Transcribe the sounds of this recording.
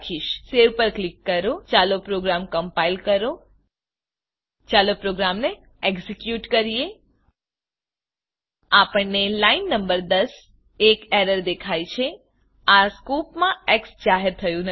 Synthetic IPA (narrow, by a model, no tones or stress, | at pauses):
kʰiʃseʋpəɾklikːəɾot͡ʃalopɾoɡɾamkəmpailkəɾo | t͡ʃalopɾoɡɾamne | eɡzikjuʈkəɾije | apəɳnelainːəmbəɾd̪əs | ekɛɾəɾd̪ekʰajt͡ʃʰe | askupmãɛksd͡ʒaɦeɾt̪ʰəjũn